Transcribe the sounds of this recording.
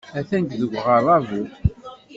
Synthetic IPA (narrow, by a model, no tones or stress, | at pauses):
æθænɡðəɡʷʁəɾˤɑvu